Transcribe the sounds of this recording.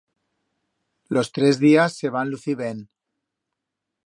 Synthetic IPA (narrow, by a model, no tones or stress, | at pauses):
lo̞st̪ɾezðiasːe̞β̞anluθiβen